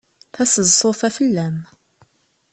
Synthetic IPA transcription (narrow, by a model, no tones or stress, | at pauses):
θæsəzsofæfəlːæm